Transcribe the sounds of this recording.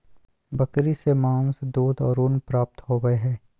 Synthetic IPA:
bɐkɾisemãːnsd̪uːd̪ɔːɾʊnpɾaːp̚t̪ɦoːɡəeɦɛː

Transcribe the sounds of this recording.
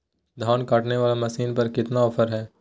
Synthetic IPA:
d̪ʱaːnkaːʈneʋaːlamɐsiːnpɐɾkɪt̪naɔfʰəɾɦɛː

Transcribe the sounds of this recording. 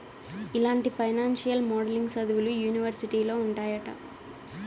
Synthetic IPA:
ilaːɳʈipʰɐjnaːnʂijɐlmɔːɽliŋɡsɐd̪uʋulujuːniʋɐɾsiʈiːlo̞ːuɳʈaːjɐʈɐ̰

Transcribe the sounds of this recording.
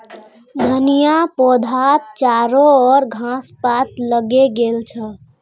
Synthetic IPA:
d̪ʱənijapod̪ʱat̪t͡ʃaɾoɔɾɡʱãspat̪ləɡeɡelt͡ʃʰə

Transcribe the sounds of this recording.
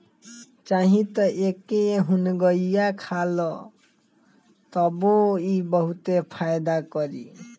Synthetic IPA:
t͡ʃaɦĩt̪ʌʔekeɦunɡʌjjakʰalʌ | t̪ʌboibʌɦut̪epʰajd̪akʌɾḭ

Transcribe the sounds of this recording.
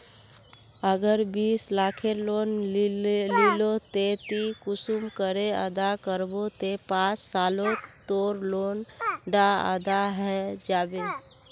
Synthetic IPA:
əɡəɾbiːslakʰelon | lilot̪et̪ikʊsumkəɾeə̰d̪akəɾbot̪epãt͡ʃsaːlot̪oːɾlonɖaə̰d̪aɦɛd͡ʒabel

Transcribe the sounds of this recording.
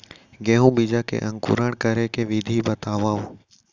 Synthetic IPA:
ɡeːɦũːbid͡ʒaːkḛʔə̃ŋkṵːɾaːɳkəɾeːkeʋɪd̪ʱiːbət̪aːʋaːõ

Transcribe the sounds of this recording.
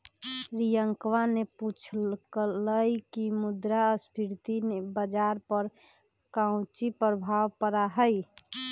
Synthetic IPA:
ɾijəŋkʋaneput͡ʃʰkləjkimud̪ɾaəspʰiɾt̪inebəd͡ʒaɾpəɾ | kãʊ̃t͡ʃipɾəbʱaʋpəɾaɦəj

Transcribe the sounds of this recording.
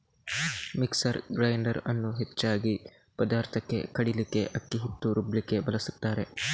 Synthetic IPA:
miksɐɾɡɾɐjɳɖɐɾɐnːuɦet͡ʃːaːɡi | pɐd̪aːɾt̪ʰɐkːe̞̰kɐɽilike̞ʔɐkːiɦit̪ːuɾublike̞bɐlɐsut̪ːaːɾe̞

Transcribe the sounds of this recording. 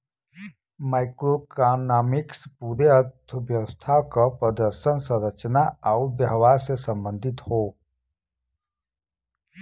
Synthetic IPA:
maɪkɾokanaːmɪkspuɾeətd̪ʰʱəbjɐʋəst̪ʰaːwkapɾəd̪əɾʃənsə̃ɾət͡ʃnaaubjəɦʋaːɾsesə̃mbə̃nd̪ʱɪt̪hoː

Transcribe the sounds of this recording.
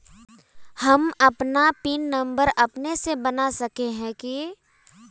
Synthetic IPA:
hɐmɐpnapiːnːə̃mbəɾɐpnesebənasɐkeɦɛ̃ki

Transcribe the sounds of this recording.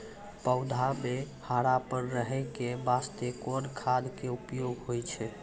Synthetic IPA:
pəʊd̪ʱame | haɾapəɾːəɦɛjkebast̪ekoɾkʰad̪ʱkeupjoɡɦojt͡ʃʰɛ

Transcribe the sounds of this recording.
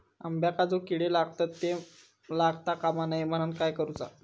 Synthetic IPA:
ə̰mbjakad͡zokiɽelaɡt̪at̪ːe | laɡt̪akamanajm̤əñənkajkəɾut͡sa

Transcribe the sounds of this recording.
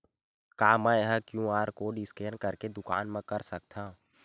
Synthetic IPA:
kaːmãeɦəkjũːaːɾkoːɖiskeːnkɐɾked̪ʊka̰ːnmə̃kɐɾsɐk̚t̪ʰaː

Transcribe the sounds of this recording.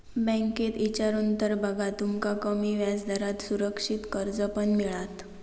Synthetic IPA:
bə̃ŋket̪it͡ɕaɾuːnt̪əɾbəɡʱat̪umkakəmiːʋjad͡zd̪ʱəɾat̪suɾəkʂit̪kəɾd͡zəpənmiɭat̪

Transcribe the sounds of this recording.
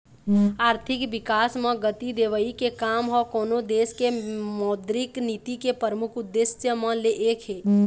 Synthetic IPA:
aːɾt̪ʰɪkʋɪkaːsmãɡət̪id̪eːʋəikekaːmɦɔkɔːnod̪eːskemɔːd̪ɾɪknit̪ikepəɾəmʊkʰʊd̪ːɪsjəmãleʔeːkɦeː

